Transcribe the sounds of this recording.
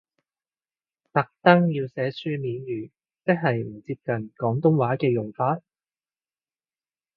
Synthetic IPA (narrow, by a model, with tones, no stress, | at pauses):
t̪ɐ˨k̚t̪ɐ˥ŋjiː˧wsɛː˨˥syː˥miː˨˥njyː˨˩ | t͡sɪ˥k̚ɦɐ˨jm̩˨˩t͡siː˧p̚kɐ˨nkɔː˨˥ŋt̪ʊ˥ŋwaː˨˥kɛː˧jʊ˨˩ŋfaː˧t̚